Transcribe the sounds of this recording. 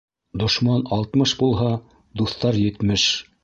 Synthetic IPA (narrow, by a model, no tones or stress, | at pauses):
d̪ŏʃmɑnɑlˠt̪mɤʃbulˠɦɑ | d̪uθt̪ɑɾjɘ̆t̪mɘʃ